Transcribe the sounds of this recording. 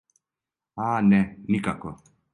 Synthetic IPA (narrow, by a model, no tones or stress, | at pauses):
aːnɛnikakɔ